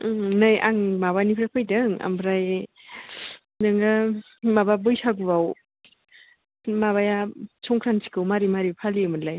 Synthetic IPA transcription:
nɯjʔa̰ŋmaβanipʰɾapʰɯjdɯŋa̰mbʰɾaj | nɯŋa | mababɯjsaɡubaw | maβajasʰɔŋkʰɾansʰi̥kɯwmaɾimaɾipʰalimɯnlaj

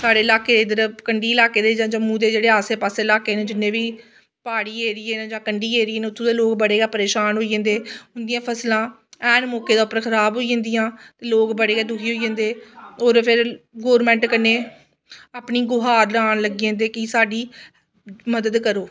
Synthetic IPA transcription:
saːɖeːɪlaːkeːd̪ed̪əɾkəɳɖiːɪlaːkeːd̪eːd͡ʒãːd͡ʒãːmũːd̪eːd͡ʒeːɽeːaːseːpaːseːlaːkeːnẽːd͡ʒɪnːẽːbiː | paːɽiːeːɾɪːeːnːd͡ʒãːkəɳɖiːeːɾiːeːnːʊt̪ʰːõːd̪eːloːkbəɽeːɡaːpəɾeːʃaːnɦoːiə̃ːnd̪eːʊ̃nd̪ijãːpʰəslãː | ɛːnmɔːkeːd̪aːʊpːəɾkʰəɾaːbɦoːiə̃ːnd̪iːjãːt̪eːloːkbəɽeːɡaːd̪ʊkʰiːɦoːid͡ʒə̃ːnd̪eːoːɾpʰɪɾɡoːɾmɛ̃ːɳʈkənːeː | aːpɳiːɡʊɦaːɾlaːnləɡiːə̃ːnd̪eːkiːsaːɖiː | məd̪əd̪kəɾoː

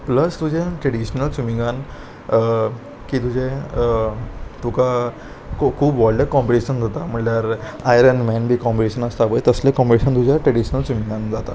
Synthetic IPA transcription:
pləst̪ud͡ʑʱẽʈɾəɽiɕnəlt͡ɕumiŋɡan | kiːt̪ud͡ʑʱẽ | t̪uka | kokʰuːbʋɔlɖeʈkɔmpiʈiɕənd͡zʱot̪am̤əɳljaɾ | ajɾənmɛnbʱiːkɔmpiʈiɕənəst̪abəjt̪əslekɔ̃mpiʈiɕənt̪ud͡ʑʱjaʈɾəɽiɕnəlt͡ɕumĩŋɡand͡zat̪a̰

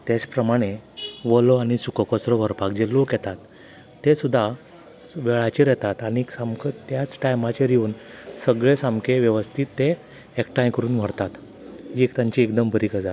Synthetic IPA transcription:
t̪et͡spɾəmaɽ̃eʋəlɔaɽ̃isukəkɔt͡sɾɔʋəɾpakd͡ʑelokjɛt̪at̪ː | esud̪ʱːa | ʋɛɭat͡ɕiɾjɛt̪at̪aɽ̃isamkʰət̪jat͡sʈajmat͡ɕeɾijuːnsəɡɭesamkʰeʋjəʋəst̪ʰiːt̪ːeː | kʈajkəɾuːnʋ̤əɽt̪at̪ | d͡ʑikt̪jaɲt͡ɕiek̚d̪əmbʱəɾikəd͡zat̪

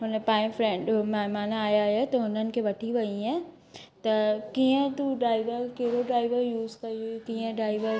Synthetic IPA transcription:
ɦʊnəpãːɪ̃fɾẽːɳɖmɐɦɪmaːnaaːjaɦet̪ɐɦʊnənɪ̆kʰeːʋɐʈʰiʋɐiẽ | t̪ɐkiːə̃t̪uɖɾaːɪʋəɾkeɦɽoɖɾaːɪʋəɾjuːzkɐjokiːə̃ɖaːɪʋəɾ

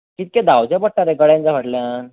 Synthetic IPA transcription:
kit̪̚kɛ̃d̪awt͡ɕjapəʈ̚ʈːaɾekəɽjãnt͡saʋ̤aʈljan

